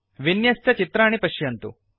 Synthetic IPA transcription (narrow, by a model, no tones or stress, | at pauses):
ʋinjɐst̪ɐt͡ʃit̪ɾaːɳipɐʃjɐnt̪ṵ